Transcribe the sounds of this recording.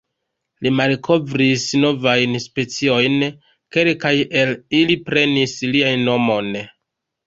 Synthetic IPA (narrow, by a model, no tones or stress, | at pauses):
limalkʰo̞vɾisno̞vajnspe̞t͡sio̞jn | ke̞lkaje̞lilipɾe̞nisliajːo̞mo̞n